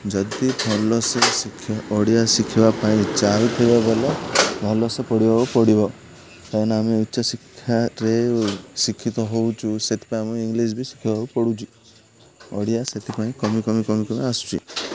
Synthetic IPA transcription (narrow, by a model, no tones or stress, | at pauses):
d͡ʒɔd̪ibʱɔlɔsesikʰːiɔɽijasikʰibapaĩt͡ʃaɾut̪ʰɔjbabelebʱɔlɔsepɔɽibabɔpɔɽibɔ | k̪anameutːsɔsikʰːjaɾesikʰːit̪ɔɦowt͡ʃʰuset̪ʰi̥paĩamuiŋɡlis̬bʱisi̥kʰibaɦɔupɔɽut͡ʃʰi̥ | ɔɽijaset̪ʰipaĩkɔmikɔmikɔmikɔmiasu̥t͡ʃʰḭ